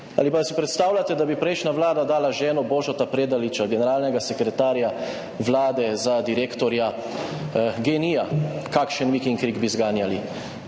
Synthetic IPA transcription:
a̰lipasipɾɛt̪st̪aːwlʲat̪ɛd̪abipɾɛjʃnaʋlaːd̪ad̪aːlaʒɛːnɔboːʒɔt̪apɾeːd̪alit͡ʃaɡɛnɛɾaːlnɛɡasɛkɾɛt̪aːɾja | ʋlaːd̪ɛzad̪iɾeːkt̪ɔɾja | ɡeːnijakaːkʃənʋikiŋkɾiɡbizɡaːnjali

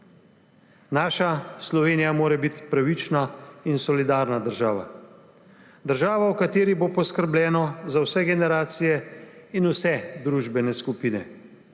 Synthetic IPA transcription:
naːʃaslɔʋeːnijamoːɾɛbit̪pɾaʋit͡ʃnainsɔlid̪aːɾnad̪əɾʒaːʋa̰ | d̪əɾʒaːʋawkat̪eːɾibopɔskəɾblʲɛːnɔzawsɛɡɛnɛɾaːt̪sijɛinusɛd̪ɾuːʒbɛnɛskupiːnɛ

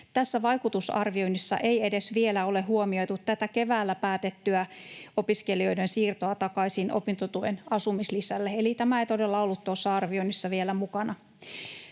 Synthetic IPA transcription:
t̪æsːæʋɑjkut̪usɑ̰rʋio̞inisːɑ̰ʔeie̞de̞sʋielæo̞leɦuomio̞jt̪ut̪t̪ːæt̪æke̞ʋæːlːæpæːt̪et̪ːyæo̞piske̞lio̞jdensiːrt̪oɑt̪ɑkɑisinʔo̰pint̪ot̪uʋenɑsumislisælːeelit̪æmæejt̪ode̞lːɑolːut̪ːosːɑɑrʋioinisːɑʋielæmukɑnɑ

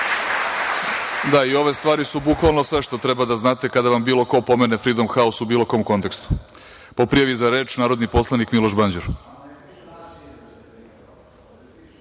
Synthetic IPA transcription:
d̪aio̞ʋe̞st̪ʋaːɾisubukʋalˠnosʋe̞ʃt̪o̞t̪ɾebad̪aznaːt̪e̞kad̪aʋambiːlo̞ko̞po̞menefɾid̪o̞mxaosubiːlokomko̞nt̪e̞kst̪u̥ | po̞pɾijaʋizaɾe̞ːt͡ʃnaːɾo̞d̪nipo̞slˠanikmilˠo̞ʒband͡ʑuɾ

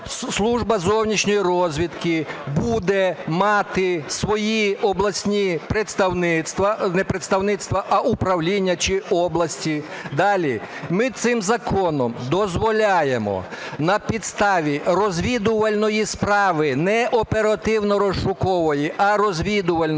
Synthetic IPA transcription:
slˠuʒbɐzɔwnʲit͡ʃnʲɔjiɾɔzʲʋʲid̪kɪbud̪ɛmɑt̪ɪsʋɔjiɔblˠɐsʲnʲipɾet̪st̪ɐwnɪt̪st̪ʋɐnɛpɾet̪st̪ɐwnɪt̪st̪ʋɐʔɐʔupɾɐwlʲinʲːɐt͡ʃɪɔblˠɐsʲtʲid̪ɑlʲimɪt̪sɪmzɐkɔnɔmd̪ɔzʋɔlʲajemɔ̰nɐpʲid̪st̪ɑʋʲirɔzʲʋʲid̪ʊʋɐlʲnɔjispɾɑʋɪnɛʔɔpeɾɐt̪ɪwnɔɾɔʃʃʊkɔʋɔjiʔɐɾɔzʲʋʲid̪ʊʋɐlʲn

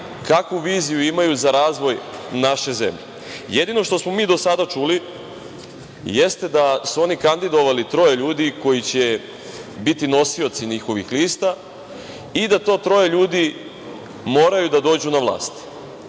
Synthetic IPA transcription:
kakʋuʋiːzijuimajuzaɾaːzʋo̞jnaʃe̞zḛmʎḛ | jed̪ino̞ʃt̪o̞smo̞miːd̪o̞sad̪at͡ʃuli | jest̪e̞d̪asuo̞nikand̪id̪o̞ʋalit̪ɾo̞jeʎuːd̪iko̞jit͡ɕe | bit̪ino̞sio̞t̪siɲixo̞ʋixliːst̪a | id̪at̪o̞ːt̪ɾo̞jeʎuːd̪i | mo̞ːɾajud̪ad̪o̞ːd͡ʑunaʋlˠa̰ːst̪

